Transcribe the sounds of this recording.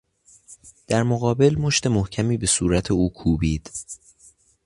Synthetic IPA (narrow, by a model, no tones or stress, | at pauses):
d̪̥æɾmoɣɒːbe̞lmo̞ʃt̪e̞mohcʰæmiːbe̞suːɾæt̪ʰe̞uːkʰuːbiːd̪̥